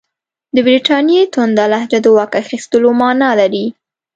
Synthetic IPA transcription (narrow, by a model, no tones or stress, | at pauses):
d̪əbɾiʈɑnjet̪ʊnd̪alahd͡ʒad̪əwɑkaxist̪əlomɑnɑlaɾi